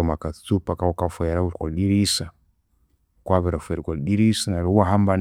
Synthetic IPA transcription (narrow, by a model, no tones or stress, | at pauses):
makat͡supakaɔkafɔjaɾauɾkɔlɗiɾisa | kwaβɛɾafɛɾikɔɗiɾisanaɾɛaɦamban